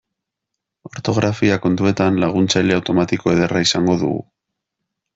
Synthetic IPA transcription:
o̞ɾt̪o̞ɣɾʔafiako̞nt̪ue̞t̪anlaɣ̞unt͡sajle̞awt̪o̞mat̪iko̞e̞ðeraisaŋɡo̞ðṵɣṵ

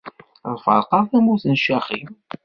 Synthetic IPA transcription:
ðˤfə̰ɾqɑɾˤθæmuθənʃæχḭm

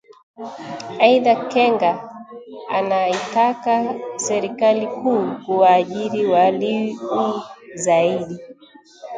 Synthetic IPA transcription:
aiðakɛŋɡa | anaitakasɛɾikalikuːkuwaːʄiɾiwaliuzaiɗi

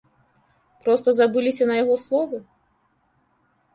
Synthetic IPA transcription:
pɾɔst̪ɐzabɨlʲisʲɐnɐjaɣɔslˠɔvɨ

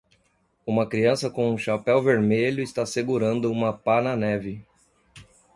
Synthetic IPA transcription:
ũmɐkɾiɐ̃sɐkõũʃapɛwveɾmeʎʊɪst̪aseɡuɾɐ̃nd̪ʊũmɐpanɐnɛvɪ

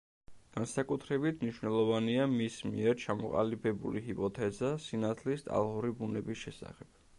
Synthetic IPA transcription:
ɡ̥ansakʼut̪ʰɾɛbit̪ʰmniʃwnɛlˠɔvaniamismḭɛɾt͡ʃʰamɔqʼa̰libɛbṵliɦipʼɔt̪ʰɛzasinat̪ʰlist̪ʼa̰lˠʁuɾibunɛbisʃɛsa̰χɛb̥

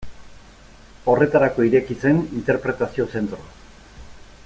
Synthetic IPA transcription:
o̞re̞t̪aɾako̞iɾe̞kit͡se̞nint̪e̞ɾpɾe̞t̪asio̞se̞nt̪ɾoa

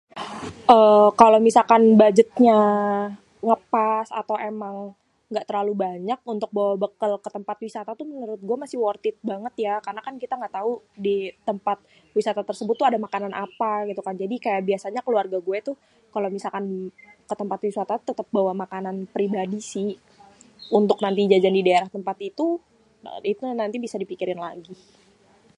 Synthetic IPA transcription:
ʔəːkalowmisakanbad͡ʒət̪̚ɲa | ŋəpasa̰t̪awemaŋ | ŋɡaʔt̪ərlalubaɲak̚unt̪ʊk̚bawabəkəlkət̪əmpat̪̚wisat̪at̪umənuɾʊt̪̚ɡuamasɪhwɔrt̪ɪt̪̚baŋət̪jakarnakankit̪aŋɡaʔt̪audit̪əmpat̪̚ | wisat̪at̪ərsəbʊt̪ːuadamakananʔapaɡit̪ukand͡ʒadikajaʔbiasaɲakəluarɡaɡuɛt̪u | kalomisalkankət̪əmpat̪wisat̪at̪ət̪əp̚bawamakananpɾibadisɪh | unt̪ʊknant̪id͡ʒad͡ʒandidaeɾaht̪əmpat̪it̪ṵ | it̪unant̪ibisadipikiɾɪnla̰ɡi

